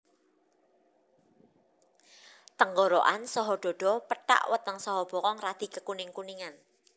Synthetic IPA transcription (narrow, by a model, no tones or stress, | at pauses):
t̪əŋɡɔɾoʔansɔɦɔɖ̥ɔ̤ɖ̥ɔ̤pəʈa̰ʔwət̪əŋsɔɦɔb̥ɔ̤kɔŋrad̪̥i̤kəkunɪŋkuniŋan